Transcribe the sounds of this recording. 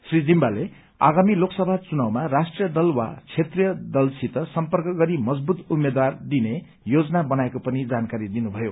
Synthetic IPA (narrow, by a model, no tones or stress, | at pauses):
srid͡zimbale | a̰ɡamiloksʌbʱat͡sunawmarasʈrijʌd̪ʌlwa̰t͡sʰet̪rijʌd̪ʌlsit̪ʌsʌmpʌrkʌɡʌɾimʌd͡zbut̪umːed̪ward̪ine | jod͡zʌnabʌnaekopʌnid͡zankaɾid̪inubʱʌjo